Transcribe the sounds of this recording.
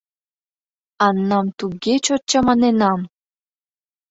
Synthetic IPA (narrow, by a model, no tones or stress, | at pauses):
ɑnːɑmt̪uɣet͡ɕot̪̚t͡ɕɑmɑnenɑm